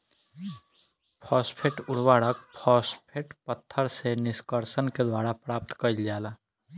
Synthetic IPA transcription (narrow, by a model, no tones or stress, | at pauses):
pʰɔspʰeʈʊɽ̤waːɽəkpʰɔːspʰeʈpət̪ʰːəɾsenɪskəɾsənked̪waːɾapɾaːp̚t̪kəild͡ʒaːla